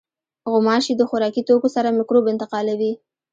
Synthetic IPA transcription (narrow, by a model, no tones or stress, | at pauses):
ɣʊmɑʃid̪əxʊɾɑkit̪okosaɾamɪkɾobɪnt̪ɪqɑlawi